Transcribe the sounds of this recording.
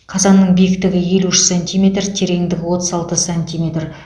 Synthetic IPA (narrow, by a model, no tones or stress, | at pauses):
qʰɑzɑnːəɴbijɪkt̪ɪɡʲɪje̞luʃɪ̥sanʲt̪ʲijmʲe̞t̪rt̪ʰe̞ɾe̞ŋd̪ɪɡʲɪwo̞t̪əzɑlˠt̪əsanʲt̪ʲijmʲe̞t̪r